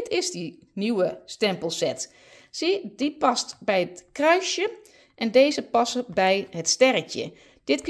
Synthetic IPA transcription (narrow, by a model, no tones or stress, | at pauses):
tʰɪzdi | niwəstɛmpəlˠsɛt | sidipɑstbɛjətkrœɥsjə | ʔɛndejzəpɑsəbɛjɦətstɛrəcə̰ | d̥ɪtk